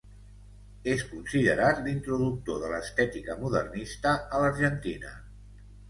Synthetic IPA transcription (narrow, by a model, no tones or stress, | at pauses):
eskunsiðəɾat̪lint̪ɾuðuk̚t̪oðələst̪ɛt̪ikəmuðə̰rnist̪əələɾʒənt̪inə̰